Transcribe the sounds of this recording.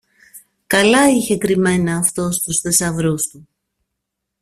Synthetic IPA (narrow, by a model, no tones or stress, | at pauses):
kɐlɐiçe̞kɾime̞nɐːft̪o̞st̪usθe̞sɐvɾust̪u